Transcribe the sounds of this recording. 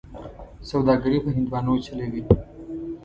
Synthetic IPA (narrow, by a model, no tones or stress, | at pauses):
sawd̪ɑɡəɾipəɦɪnd̪wɑnot͡ʃəlewi